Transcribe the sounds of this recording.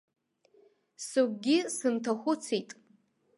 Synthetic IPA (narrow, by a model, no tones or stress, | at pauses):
suɡʷɡʲɪsɨntʰaχʷʊt͡sʰijtʼ